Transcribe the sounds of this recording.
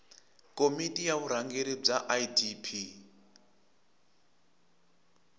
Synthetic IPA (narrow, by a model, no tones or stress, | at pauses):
kʼomitʼijaβuɾ̤aŋɡeɾib͡ʐaʔajdipʰi